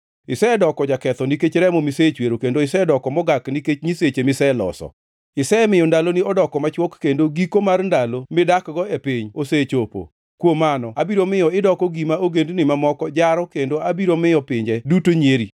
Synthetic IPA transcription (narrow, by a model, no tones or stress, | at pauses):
ɪsɛdɔkɔd͡ʒakɛt̪ɔniket͡ʃɾɛmɔmiset͡ʃweɾokendoɪsɛdɔkɔmɔɡakniket͡ʃɲiset͡ʃemɪsɛlɔ̰sɔ̰ | ɪsɛmɪjɔndalonɪɔdɔkɔmat͡ʃwɔkːendoɡikomarndalomɪdakɡɔepiɲoset͡ʃopo̰ | kwomanɔabiɾomɪjɔɪdɔkɔɡimaoɡendnɪmamɔkɔd͡ʒaɾɔkendoabiɾomɪjɔpɪɲd͡ʒɛdutoɲeɾi